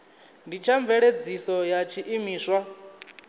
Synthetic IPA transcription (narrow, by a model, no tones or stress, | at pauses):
ndit͡ʃʰaɱvɛɺed͡zisɔjat͡ʃʰiʔimiːswa